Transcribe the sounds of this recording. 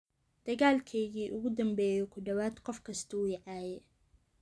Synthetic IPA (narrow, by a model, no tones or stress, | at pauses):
d̪̥ɐɣaːlkʰɛjɣiːʔʊɣʊd̪ɐmbɛːjɔkʰʊɖɐwaːd̪qɔfkʰɐst̪ʰɐʊjɪʕɑːjɛ